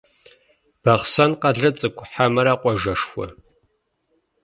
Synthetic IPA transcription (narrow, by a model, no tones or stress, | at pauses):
b̥ɐχsɐnqɐɮɐt͡sʼɨkʷʰʼʊħamɐɾaqʷʼɔʒɐʂxʷɔ̰